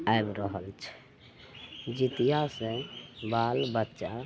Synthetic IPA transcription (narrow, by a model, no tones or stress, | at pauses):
aebɾəɦəlt͡ʃʰɛ̥ | d͡ʒit̪ijasẽbalbətːʃa